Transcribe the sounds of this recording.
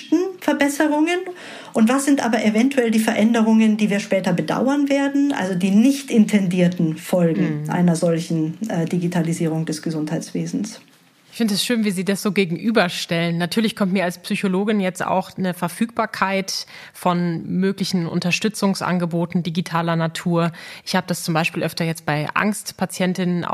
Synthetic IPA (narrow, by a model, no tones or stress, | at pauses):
tn̩fɛɐbɛsəʁʊŋən | ʔʊntv̥asz̥ɪntʔa̰ːbɐʔevɛntuɛldiːfɛɐʔɛndəʁʊŋəndiːviːɐʃpɛːtɐbəda̰ʊɐnveːɐdn̩ʔa̰lzodiːnɪçtʔɪntʰɛndiːɐtn̩fɔlɡŋ̩ʔa̰ɪnɐzɔlçn̩ɛːdiɡitʰaliziːʁʊŋdɛsɡ̥əzʊnthaɪt͡sv̥eːzn̩s | ʔɪçfɪndəɛsʃøːnviːziːdasz̥oːɡeːɡŋ̩ʔyːbɐʃtɛlənːatʰyːɐlɪçkʰɔmtmiːɐalspsyçoloːɡɪnjɛt͡sta̰ʊxnəfɛɐfyːk̚b̥aːɐkʰaɪt | fɔnmøːklɪçn̩ʔʊ̰ntɐʃtʏt͡sʊŋsʔa̰nɡəboːtn̩diɡitʰaːlɐnatʰuːɐʔɪçhaːbədast͡sʊmbaɪʃpiːlʔœftɐjɛt͡st̚b̥aɪʔa̰ŋstpʰat͡sjɛntɪnənʔa̰